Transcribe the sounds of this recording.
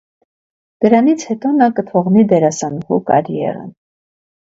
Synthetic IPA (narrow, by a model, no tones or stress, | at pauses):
d̪̥əɾɑnit͡sʰhɛt̪ɔnɑkət̪ʰɔʁnid̪ɛɾɑsɑnuhukɑ̰ɾjɛ̰ɾə̰n